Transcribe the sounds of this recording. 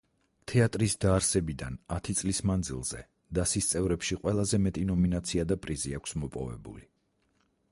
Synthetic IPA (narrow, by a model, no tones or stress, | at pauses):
t̪ʰɛat̪ʼɾisd̪aːɾsɛbid̪anat̪ʰit̪sʼlismand̪zḭlˠz̥ɛ̰ | d̪̥asist̪sʼɛvɾɛpʃiqʼwɛlˠazɛmɛt̪ʼinɔminat̪sʰiad̪apʼɾiziakʷʰsmɔpʼɔ̰vɛ̰bṵli